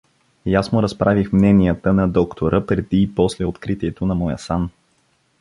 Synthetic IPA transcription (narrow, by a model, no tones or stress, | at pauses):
jasnoɾɐspɾʔavixmnɛnijət̪ənɐd̪ɔkt̪ʰoɾʔəpɾɛd̪iːpɔslɛot̪kɾit̪iɛt̪onɐmɔjə̰san